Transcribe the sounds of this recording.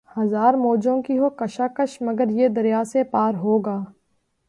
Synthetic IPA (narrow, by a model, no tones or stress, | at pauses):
hɐzaːɾmoːd͡ʒõkiɦokɐʃaːkəʃmɐɡəɾjed̪ɐɾjaːsepaːɾɦoːɡaː